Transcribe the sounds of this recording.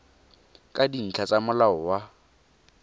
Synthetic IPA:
kʼadin̩t͡ɬʰat͡sʼamʊlaʊwa

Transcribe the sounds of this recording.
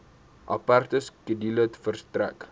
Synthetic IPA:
ʔa̰part̪əskədilət̪fərst̪ɾa̰k

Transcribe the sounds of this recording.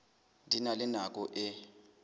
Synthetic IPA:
dʱinalɪnak̬ʼɔʔɪ

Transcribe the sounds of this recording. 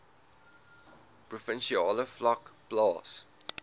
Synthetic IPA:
pɹɔfɪ̃nʃiɑːləflakplɑːs

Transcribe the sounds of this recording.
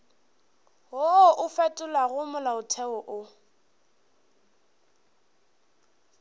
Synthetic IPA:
ɦoʔʊfɛtʼʊlaɣʊmʊlaʊtʰɛwɔʔʊ

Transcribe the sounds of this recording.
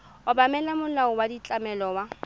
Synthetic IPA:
ʊbamɛlamʊlaʊwadit͡ɬʼamɛlɔwa

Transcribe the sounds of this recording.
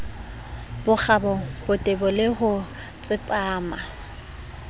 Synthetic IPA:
bʊk͡xʰabɔbʊtʼebʊlɪhʊ | t͡sʼɪpʼaːma

